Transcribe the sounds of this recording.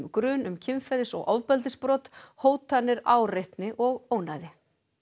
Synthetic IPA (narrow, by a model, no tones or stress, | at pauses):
mkɾʏːnʏmcʰɪmfɛðɪsɔ̰ɣʔɔ̰wvpɛlt̪̬ɪspɾɔːt̪hoːwt̪anːɪɾa̰wrejht̪nɪʔɔɣoːwnajðɪ